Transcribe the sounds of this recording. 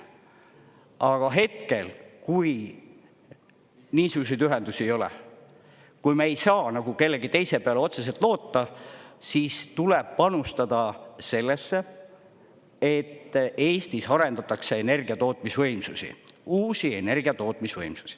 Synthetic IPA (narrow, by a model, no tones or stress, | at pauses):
ʔɑɡ̥ɑɦe̞t̪̚ke̞lkuj | niːsuɡ̥us̬e̞jd̪yɦe̞nd̪usiejo̞lɛ̰ | kujmeejsɑːnɑɡ̥uke̞lːe̞ɡit̪ejse̞peɑleo̞t̪se̞selt̪ˑlo̞ːt̪ːɑsiːst̪uleb̥̚pɑnust̪ɑd̪ɑse̞lːe̞sːe | e̞t̪ːe̞ːst̪isɑɾe̞nd̪ɑt̪ːˑɑkse̞ene̞rɡiɑt̪o̞ːt̪ˑmisvɤjmsusḭuːsie̞ne̞rɡ̥iɑt̪o̞ːt̪ˑmisvɤjmsu̥si̥